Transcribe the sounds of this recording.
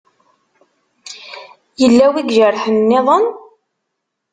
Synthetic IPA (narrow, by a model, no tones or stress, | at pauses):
jəlːæwiɡʒəɾħənːɪðˤən